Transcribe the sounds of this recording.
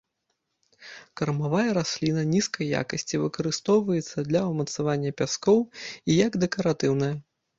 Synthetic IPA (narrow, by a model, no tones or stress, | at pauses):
kɐrmavajɐɾasʲlʲinɐnʲiskɐjːa̰kɐsʲt͡sʲivɨkɐɾɨst̪ɔwvɐjɛt̪sːɐd̪lʲɐwmɐt̪savanʲːɐpʲaskɔwijɐɡd̪ɛkɐɾat̪ɨwnɐjɐ